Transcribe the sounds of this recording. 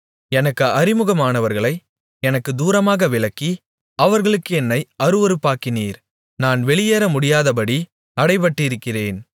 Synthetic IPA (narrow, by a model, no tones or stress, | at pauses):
ɛnɐkːɯʔɐɾɪmɯɣɐmaːnɐʋɐɾɣɐɭɐɪ | ɛnɐkːɯd̪uːɾɐmaːɣɐʋɪɭɐkːi | ɐʋɐɾɣɐɭɯkːɯɛnːɐɪɐɾɯʋɔɾɯpːaːkɪniːɾ | naːnʋɛɭɪjeːɾɐmʊɽɪjaːðɐpɐɽi | ɐɽɐɪp̬ɐʈːɪɪɾɯkːɪreːn